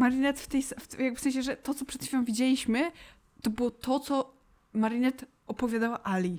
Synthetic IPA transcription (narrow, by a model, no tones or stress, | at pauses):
maɾinɛt̪ft̪ɛjsft̪jaɡ̚bɘfsɛ̃ɕ̬ɛʐɛt̪ɔt̪sɔpʂɛt̪fʲejʲɔ̃w̃vʲid͡ʑelʲiɕmɘ | t̪ɔbɘwɔt̪ʰɔt̪sɔ | maɾinɛt̪ | ɔpɔvʲjad̪awaʔalʲi